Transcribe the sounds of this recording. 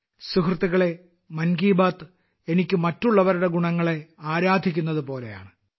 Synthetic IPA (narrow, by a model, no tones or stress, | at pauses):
sukrɨt̪iɣɐɭe̞ | mɐnɡiːbaːt̪ | enikʲːɨmɐtːuɭːɐʋɐɾuɽe̞ɡuɳɐŋːɐɭe̞aːɾaːd̪ʱikʲːunːɐðɨpo̞ːle̞̰ja̰ːɳɨ